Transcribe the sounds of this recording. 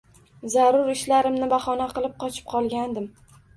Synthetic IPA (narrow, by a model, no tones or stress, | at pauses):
zaɾʊɾɪʃlaɾɪmnɪbaχɒnaqɨlˠɪp̚qʰɒt͡ʃʰɪ̥p̚qʰɒlˠɡʲand̪ɪm